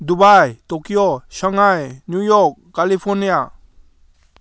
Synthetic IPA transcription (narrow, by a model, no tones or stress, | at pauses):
d̪ubajt̪okijoʃəŋajnjujɔɾkːalipʰɔɾnija